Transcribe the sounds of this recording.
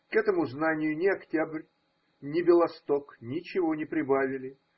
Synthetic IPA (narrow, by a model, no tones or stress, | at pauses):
kɛt̪əmʊznanʲɪjʊnʲɪɐktʲabrʲ | nʲɪbʲɪlˠɐst̪oknʲɪt͡ɕɪvo̞nʲɪpɾʲɪbavʲɪlʲɪ